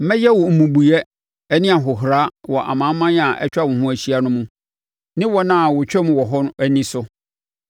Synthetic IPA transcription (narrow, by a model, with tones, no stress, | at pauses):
m̩˦mɛ̃˦jɛ˦wɔ˨m̩˨mũ˨bu˨jɛ˦ | ɛ˦nɪ̃˦a˨ɦʊ˨ɦɾa˦wɔ˨ʔa̰˨mã˨˦m˦mã˦n˦a˨ʔɛ̰˦t͡ɕᶣa˦wʊ̃˨hʊ̃˦æ˨ɕi˦a˦nʊ̃˦mũ˦ | nɪ̃˦wɔ˦nã˦˨wʊ˨t͡ɕᶣɛ˦m̃˨wɔ˨ɦɔ˦ñ˦æ˦nĩ˦sʊ˦